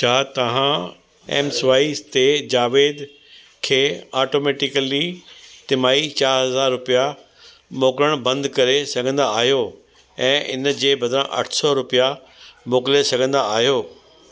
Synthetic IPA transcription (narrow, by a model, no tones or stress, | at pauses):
t͡ɕʰaːt̪ɐʋ̤ã | ḛːmsʋaːist̪ed͡ʑaːʋeːd̪ | kʰeːaːʈoːmeːʈɪkəlit̪ɪmaːit͡ɕaːɾɦɐzaːɾːʊpija | moːkɾəɽ̃bɐ̃nd̪kɐɾesɐɡʱə̃nd̪aaːɦijo | ɛ̃ːʔɪ̰nd͡ʑeːbɐd̪ʱɾãʔɐ̰ʈʰsɔɾʊpija | moːkɪlesɐɡʱə̃nd̪aːɦijoː